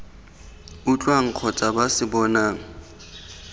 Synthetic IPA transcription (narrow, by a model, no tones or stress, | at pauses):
ʊt͡ɬʼwaŋ̩q͡χʰɔt͡sʼabasɪbɔnaːŋ̩